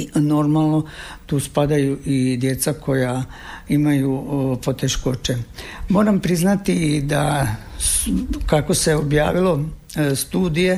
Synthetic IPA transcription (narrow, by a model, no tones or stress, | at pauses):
no̞ɾmalˠno̞t̪uːspad̪ajuʔid̪je̞t̪sakʰo̞ja | imajupo̞t̪e̞ʃko̞t͡ʃemo̞ːɾampɾiznat̪id̪a | skako̞seo̞bja̰ːʋilo̞ | st̪uːd̪ije̞